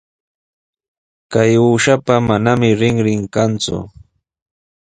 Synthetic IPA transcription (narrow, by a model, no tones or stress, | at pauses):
kajuːʃapamanamɪɾɪŋɾɪŋkant͡sʊ̰